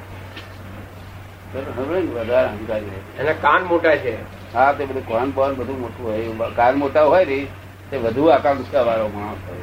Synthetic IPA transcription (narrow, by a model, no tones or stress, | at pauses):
səɾɦəɾenʋəd̪ʱaɾəd̪ʱikaɾiɦətienãkanmoʈat͡ʃʰe | ɦat̪ebəd̪ukanbɔnbəd̪ʱũmoʈũɦojkanmoʈaɦojɾi | t̪eʋəd̪ʱuakãɡʊsaʋaɾoɡəɽ̃õt̪ʰa̰j